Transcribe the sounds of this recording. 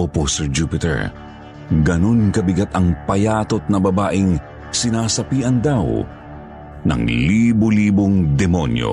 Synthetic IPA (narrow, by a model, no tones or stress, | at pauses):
oposɛɹd͡ʒuːpɪt̪ɛ̰ɹ | ɡɐno̞nkɐbɪɡat̪ɐŋpɐjaːt̪o̞t̪̚nɐbɐbaːʔɪŋ | sɪnaːsɐpiːʔɐnd̪aw | nɐ̰ŋliːboliːboŋd̪ɛmo̞̰njo̰